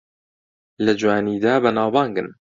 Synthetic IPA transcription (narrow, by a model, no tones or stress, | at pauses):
lɐd͡ʒwaːniːd̪aːbɐnaːwbɑːŋɡɨn